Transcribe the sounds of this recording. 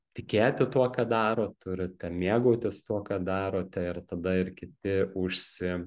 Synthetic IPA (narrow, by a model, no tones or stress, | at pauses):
t̪ʲɪkʲeːt̪ʲɪt̪uɔkɑːd̪ɑːɾoːt̪ʊɾʲɪt̪ʲɛmʲeɛɡoːt̪ʲɪst̪uɔkɑːd̪ɑːɾoːt̪ʲɛɪrt̪ɐd̪ɐɪɾkʲɪt̪ʲɪʊʃʲsʲɪ